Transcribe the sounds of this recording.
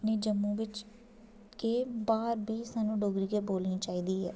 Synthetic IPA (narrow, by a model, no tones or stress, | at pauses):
niːd͡ʒəmːũːʋɪt͡ʃ | keːbaːɾbiːsaːnũːɖoːɡɾiːɡeːboːlnĩːt͡ʃaːiːd̪iːɦɛ̰ː